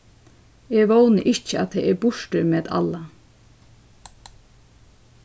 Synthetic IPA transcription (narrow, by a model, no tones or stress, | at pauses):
ɛːʋownəʔɪht͡ʃːəa̰t̪ʰɛɛɾbʊʂʈɪɾmɛːt̪a̰lːa